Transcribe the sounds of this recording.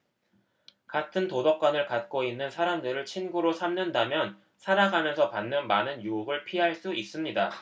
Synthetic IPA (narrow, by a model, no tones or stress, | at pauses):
katʰɯntodʌp̚k͈wanɯɭkat̚k͈oinːɯnsʰaɾamdɯɾɯɭt͡ɕʰinɡuɾosʰamnɯndamjʌn | sʰaɾaɡamjʌnsʰʌpanːɯnmanɯnjuuɡɯɭpʰiɦaɭs͈uis͈ɯmɲida